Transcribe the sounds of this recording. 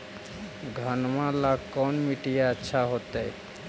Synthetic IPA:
ɡʱənmalakɔnmiʈijaətːʃʰaɦot̪ej

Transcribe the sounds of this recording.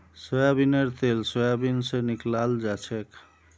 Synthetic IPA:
sojabineɾt̪elsojabinseniklald͡ʒat͡ʃʰek

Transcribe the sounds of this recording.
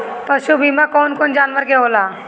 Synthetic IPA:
pɐʃubʱimakɔːnkoːnd͡ʒaːnʋəɾkeɦoːlaː

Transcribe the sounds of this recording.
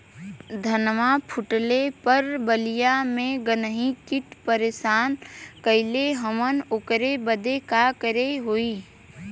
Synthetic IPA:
d̪ʱənmapʰʊʈlepəɾbəlijamẽɡənəɦikɪʈ̪pəɾeːʃaːnkəɪleɦəmənokɾebəd̪ekakəɾeɦoiː

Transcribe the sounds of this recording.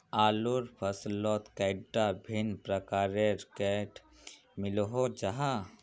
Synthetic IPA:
aːluɾpʰəslɔt̪kɛɪɖabʱinpɾəkaːɾeɾkɛʈ | mɪlɦod͡ʒaɦa

